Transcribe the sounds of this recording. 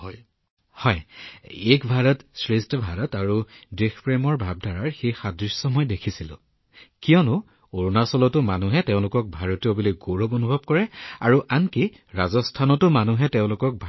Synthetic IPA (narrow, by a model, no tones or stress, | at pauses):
hɔjekbʱaɹɔtsɹistbʱaɹɔtaɹudixpɹemɔɹbʱab̚dʱaɹaɹxexadɹissɔmɔjdekʰisilʊ̰̃ | kiɔnʊ | oɹonasɔlɔtʊmanuɦɛtɛʊ̃lʊkɔk̚bʱaɹotijɔbuliɡoɹobonubʱɔb̚kɔɹɛa̰ɹuʔanki | ɹazɔstʰanɔtʊmanuɦɛteʊ̃lʊkɔk̚bʱ